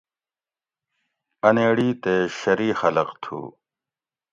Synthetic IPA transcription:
ɐneːɽiːt̪eːɕɐɾiːxɐlɐqt̪ʰṵː

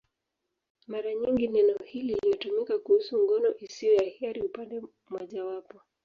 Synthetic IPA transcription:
maɾaɲiŋɡinɛnɔhililijɔtumikakuhusuŋɡɔnɔʔisiɔjahiaɾiupandɛ | mwɔʄawapɔ

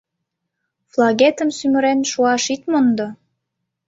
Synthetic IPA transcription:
flˠɑɣet̪əmsymə̆ɾenʃuɑʃit̪mond̪o

